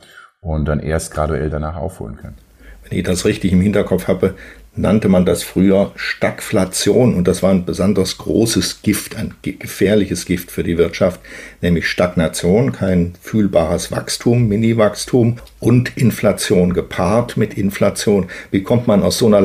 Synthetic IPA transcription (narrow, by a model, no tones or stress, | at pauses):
ʔʊnd̥anʔḛːɐstɡ̥ʁaduɛ̰ldanaːχʔa̰ʊfho̰ːlənkʰœnə | vɛnɪ̰çd̥asʁɪçtɪçɪmhɪntɐkʰɔpfhaːbənantəmandasfʁ̥yːɐʃtakflat͡sjoːnʊnt̚d̥asv̥aːɐaɪnbəzɔndɐsɡ̥ʁo̰ːsəsɡ̥ɪftaɪnɡ̥əfɛːɐlɪçəsɡ̥ɪftfyːɐdiːvɪɐtʃaftnɛːmlɪçʃtaknat͡sjoːnkʰaɪnfyːlbaːʁəsv̥a̰kstʰuːmːɪnivakstʰum | ʔʊntʔɪnflat͡sjoːnɡəpʰaːɐtmɪtʔɪnflat͡sjoːnviːkʰɔmtmanaʊsz̥oːnɐ